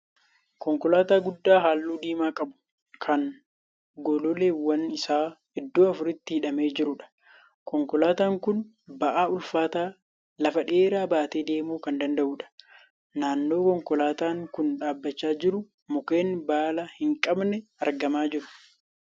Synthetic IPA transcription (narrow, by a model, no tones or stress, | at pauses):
kɔŋkɔlaːt̪aːɡʊd̪ːaːɦaːlːuːd̪iːmaːkʼɐbʊ̥ | kʰɐn | ɡɔlɔleːwːɐnɪsaː | ɛd̪ːuːɐfʊɾɪt̪ːiːᶑɐme̞ːd͡ʒɪɾʊᶑɐ̥ | kɔŋkɔlaːt̪aːŋkʊn | bɐʔaːʊlfaːt̪aː | lɐfɐᶑeːɾaːbaːt̪eːd̪e̞ːmuːkɐnd̪ɐnd̪ɐʔuːᶑɐ̥ | naːnːo̞ːkɔŋkɔlaːt̪aːŋkʊnᶑaːbːɐt͡ʃːaːd͡ʒɪɾʊ | mʊke̞ːnbaːlɐhɪŋkʼɐbnɛɐɾɡɐmaːd͡ʒɪɾʊ̥